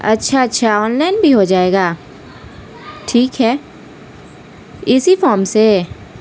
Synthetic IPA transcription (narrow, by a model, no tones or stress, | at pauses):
ɐ̰tːʃʰaɐtːʃʰaɔːnlaɪnbʱiɦod͡ʒaːeːɡaː | ʈʰiːkɦɛː | ɪsifɔːɾmse